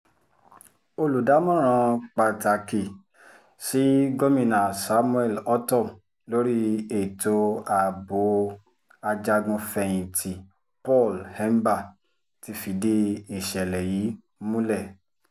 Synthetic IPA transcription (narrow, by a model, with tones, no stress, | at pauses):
o˧lu˨da˨˦mɔ̃˦˨ɾ̃ã˧k͡pa˨ta˨ki˨ | si˦ɡo˦mĩ˦˨nã˨sa˨˦mũ˦ɛ˦˨lɔ˦tɔ̃˦˨m | lo˦ɾi˦e˦˨to˧˦a˨bo˨˦ | a˧d͡ʒa˧ɡũ˧fɛ˧j̃ĩ˨tʰi˨ | pɔ˦˨lhɛ˦m˦ba˦˨ | ti˧˦fi˨de˧˦i˨ʃɛ˨lɛ˨ji˨˦ | mũ˦lɛ˦˨